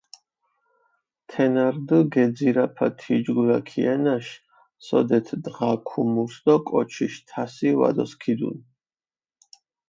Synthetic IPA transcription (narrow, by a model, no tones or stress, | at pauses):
t̪ʰɛnaɾd̪əɡɛd̪ziɾapʰat̪ʰid͡ʒɡulakʰiɛnaʃ | sɔ̰d̪ɛt̪ʰd̪ʁakʰumusd̪̥ɔkʼɔt͡ʃʰiʃt̪ʰasiva̰d̪ɔskʰid̪ṵn